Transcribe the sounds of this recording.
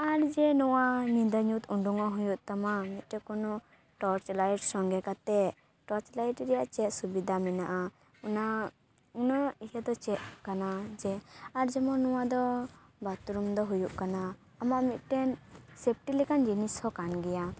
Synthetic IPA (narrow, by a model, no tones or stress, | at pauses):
aɾd͡ʒɛnɔwanind̪ɔɲut̪uɳɖuŋɔɦujuʔt̪amamit̪̚ˀʈɛkɔnɔ | ʈɔɾt͡ʃlajʈsɔŋɡɛkat̪ɛ | ʈɔɾt͡ʃlajʈɾɛjaʔt͡ʃɛt̪̚subid̪ʱamɛnaʔa | una | unaijad̪ɔt͡ʃɛʔ̪̚kanad͡ʒɛaɾd͡ʒɛmɔnɔwad̪ɔ | bat̪uɾumd̪ɔɦujuʔkanaː | maʔmit̪̚ˀʈɛnsep̚ʈilɛkand͡ʒinishɔkanɡɛja